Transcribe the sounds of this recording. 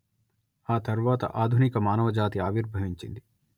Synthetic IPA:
aːt̪ɐɾʋaːt̪ɐ̰ʔaːd̪ʱunikɐmaːnɐʋɐd͡ʒaːt̪iaːʋiɾbʱɐʋiɲt͡ʃḭnd̪i

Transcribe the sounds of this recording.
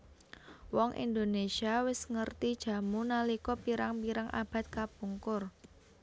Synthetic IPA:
wɔŋʔḭnd̪onesiawɪsŋərt̪id̥ʒ̥ä̤munalikɔpiɾaŋpiɾaŋʔa̰b̥a̤t̪̚kapuŋkʊr

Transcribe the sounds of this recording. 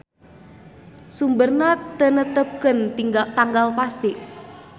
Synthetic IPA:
sumbərnat̪ənət̪əp̚kənt̪iŋɡat̪aŋɡalpast̪i

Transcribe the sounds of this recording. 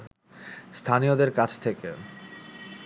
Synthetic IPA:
st̪ʰanijod̪eɾkat͡ɕʰt̪ʰeke

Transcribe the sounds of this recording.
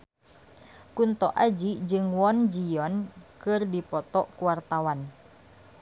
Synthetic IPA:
kunt̪ɔʔad͡ʒid͡ʒɨŋwɔnd͡ʒiɔnkɨrdipɔt̪ɔʔkuwart̪awan

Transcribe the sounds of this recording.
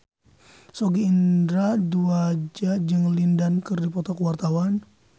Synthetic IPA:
soɡiːndɾaduad͡ʒad͡ʒɨŋlindankɨrdipɔt̪ɔkwart̪awan

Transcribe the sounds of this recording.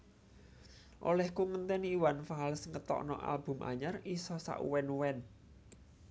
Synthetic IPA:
ʔo̰lɛhkuŋənt̪ɛniiwanfaɦalsəŋɡət̪ɔ̰ʔnɔ̰ʔa̰lb̥ṳmʔa̰ɲarisɔsa̰ʔṵwɛnwɛn

